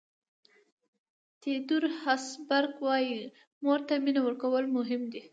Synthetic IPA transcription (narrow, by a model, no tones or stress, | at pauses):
t̪ed̪uɾhasbaɾɡwɑji | moɾt̪aminawəɾkawəlmʊɦɪmd̪i